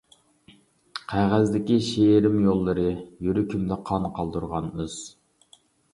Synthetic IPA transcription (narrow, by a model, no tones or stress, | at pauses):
qʰæʁæzd̪ɪkʲiʃeɾɪmjolˠːɨɾɨjyɾykʲʰymd̪ɛqʰɑnqʰɑlˠd̪uɾʁɑnyz̥